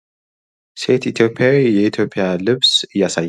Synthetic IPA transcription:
se̞t̪it̪ʰjo̞pʰːjawjjɛit̪ʰjo̞pʰːijalɨβsɨjːasaj

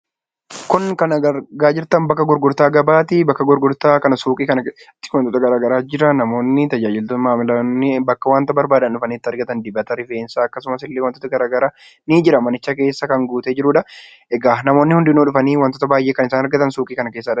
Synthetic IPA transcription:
kʊnkɐnɐɐɾɡaːd͡ʒɪɾt̪ɐmbɐkːɐɡʊɾɡʊɾt̪aːɡɐbaːt̪ɪbɐkːɐɡʊɾɡʊɾt̪aːkɐnɐsuːkʼiːkɐnɐ | t̪ːɪ̥wɐnt̪ot̪ɐɡɐɾaːɡɐɾaːd͡ʒɪɾɐnɐmo̞ːnːɪt̪ɐd͡ʒaːd͡ʒɪlt̪ʊmaːmɪlɐnːɪbɐkːɐwaːnt̪ɐbɐɾbaːd̪ɐnᶑʊfɐniːɪt̪ːɐɾɡɐt̪ɐnd̪ɪbɐt̪ɐɾɪfe̞ːnsaːkːɐsʊmɐsɪlːeːwɐnt̪oːt̪ɐɡɐɾaːɡɐɾaː | niːd͡ʒɪɾɐmɐnɪt͡ʃːɐke̞ːsːɐkɐŋɡuːt̪eːd͡ʒɪɾuːᶑɐ | ɛɡaːnɐmo̞ːnːɪhʊnd̪ɪnːoːᶑʊfɐniːwɐnt̪oːt̪ɐbaːjʔeːkɐnɪsaːnɐɾɡɐt̪ɐnsuːkʼiːkɐnɐkeːs̬ːɐːᶑɐ

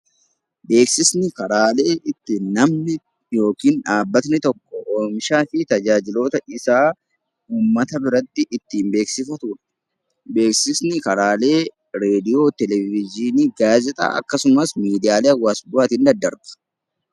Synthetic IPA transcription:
be̞ːksɪsnɪkɐɾaːle̞ːʔɪt̪ːɪnːɐmnɪ | jo̞ːkiːnᶑaːbːɐt̪nɪt̪ɔkːɔʔoːmʃaːfɪt̪ɐd͡ʒaːd͡ʒɪlo̞ːt̪ɐɪsaː | uːmːɐt̪ɐbɪɾɐt̪ːɪʔɪt̪ːiːmbe̞ːksɪfɐt̪ʊᶑɐ̥ | be̞ːksɪsnɪkɐɾaːle̞ː | ɾe̞ːd̪ɪjo̞ːt̪ɛlɛvɪd͡ʒɪniːɡaːzɛt̪ʼa̰ːʔɐ̰kːɐsʊmɐsmiːd̪ɪjaːleɐwaːsbʊat̪ɪnd̪ɐd̪ːɐɾɡɐ̥

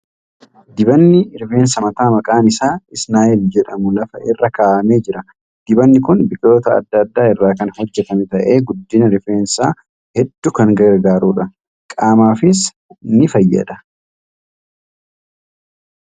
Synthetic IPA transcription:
d̪ɪbɐnːɪɾɪfe̞ːnsɐmɐt̪aːmɐkʼaːnɪsaːɪsnaːjɛld͡ʒɛᶑɐmʊlɐfɐʔɪrːɐkaːʔɐme̞ːd͡ʒɪɾɐ | d̪̥ɪbɐnːɪkʊnbɪkʼɪo̞ːt̪ɐɐ̰d̪ːɐd̪ːaːɪrːaːkɐnhɔd͡ʒːɛt̪ɐmɛt̪ɐʔe̞ːɡʊd̪ːɪnɐɾɪfeːnsaː | hɛd̪ːʊkɐŋɡɐɾɡaːɾuːᶑɐ | kʼaːmaːfɪs | nɪfɐjːɐ̰d̪ɐ

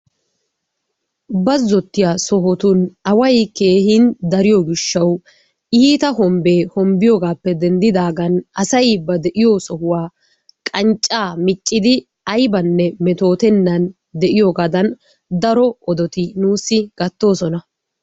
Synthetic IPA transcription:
bɐzːɔt̪ːɪjaːsɔɦɔt̪ʊnɐwɐjke̞ːhɪnd̪ɐɾɪjoɡɪʃːɐw | ʔiːt̪ɐɦɔmbeːhɔmbɪjoːɡaːpːɛd̪ɛnd̪ɪd̪aːɡɐnɐsɐjbɐd̪ɛʔɪjosɔhʊwaː | kʼɐnt͡ʃʼːaːmɪt͡ʃʼːɪd̪ɪ | ɐjbɐnːɛmɛt̪o̞ːt̪ɛnːɐn | d̪ɛʔɪjo̞ːɡaːd̪ɐn | d̪ɐɾɔɔd̪ɔt̪ɪnuːsːɪɡ̥ɐt̪ːo̞ːsɔnɐ

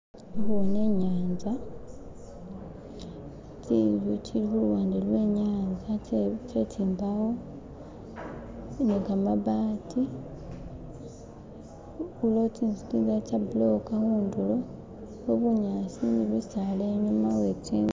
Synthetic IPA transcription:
βune̞ɲaːnza | tiːvucilixuluwaːndelwe̞ɲaːnzat͡ʃetʰiːmbawo̞ | nekamaβati | ulotinsi̥tiːnzacabulokahuːndulo | oβuɲaːsiniβusaleɲumawetiː

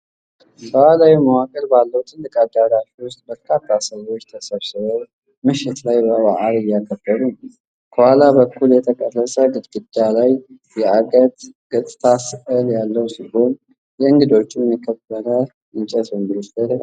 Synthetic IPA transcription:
səwalawimawakʼəlbalːəwut̪ʰɨnːɨkʼad̪ːaɾafiwost̪̚bəɾkʰat̪ʰːasəwo̞t͡ʃːt̪ʰəsəβsɨβəw | mɨʃɪt̪lajbəβaʔalɨjːakʰːəbːəɾun | kʰəhʷalabəkʰːuljɛt̪ʰəkʼərːəsʼəɡɨd̪ɡɨd̪alaj | jɛʔaɡʼət̪ɡ̥ət̪ʼɨt̪ʰasɨkʼəljalːəwsiho̞n | jɛɨŋɡɨd̪o̞t͡ʃːjɛmːjikʰːəbːəɾə | ʔɨɲt͡ʃʼɛsɨnɡɨlɨst̪əɾ

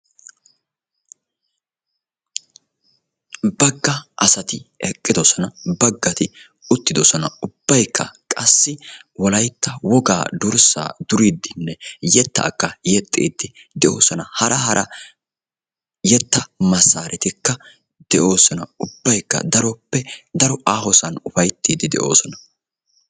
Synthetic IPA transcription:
bɐɡːɐʔɐsɐt̪ɪɛkʼːɪd̪ɔsɔnɐbɐɡːɐt̪ɪ | ʊt̪ːɪd̪ɔsɔnɐʊb̥ːɐjkːɐ̰kʼɐsːɪwɔlɐjt̪ːɐwɔɡa̰ːd̪ʊɾsa̰ːd̪ʊɾid̪ːɪnːɛjɛt̪ːɐ̰ːkːɐjɛt̪ʼːḭːd̪ːɪ | d̪ɛʔo̞ːsɔnɐhɐɾʔɐhɐɾʔɐ | jɛt̪ːɐmɐsːaːɾʔɛt̪ɪkːɐ | d̪̥ɛʔo̞ːsɔnɐʊbːɐjkːɐ̰d̪ɐɾɔpːɛd̪ɐɾɔaːhɔsɐnʊfɐjt̪ːiːd̪ɪd̪ɛ̰ʔo̞̰ːsɔnɐ

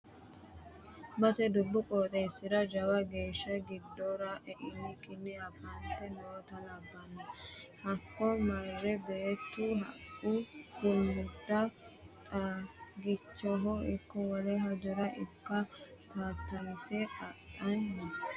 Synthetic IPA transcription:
bɐsɛd̪ʊbːʊkʼoːt̪ʼɛsːɪd̪ɐd͡ʒɐwɐɡe̞ːʃːɐɡɪd̪ːoːɾaʔɛʔɪnːɪkʼɪnːɪɐfɐnt̪ːɛnoːt̪ɐlɐbːɐnːɐhɐkːɔmɐɾɾɛbeːt̪ːuɦɐkːud̪ʊmːʊd̪ːɐtʼɐɡɪt͡ʃːɔɦɔɪkːɔwɔlɛɦɐd͡ʒʊɾɐʔɪkːɐkaːt̪ːɐnɪsɛʔɐtːɐnnɐ

